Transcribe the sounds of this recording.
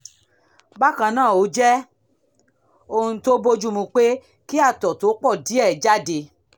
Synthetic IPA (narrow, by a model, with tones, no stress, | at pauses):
ba˦kã˧nãː˦˨o˨˦d͡ʒɛ˦ | o˦˧hũ˧to˦bo˦d͡ʒu˦mũ˧k͡pe˦ | ki˦a˧˨tɔ˨to˨˦k͡pɔ˦˨di˨˦ɛ˦˨d͡ʒa˦de˧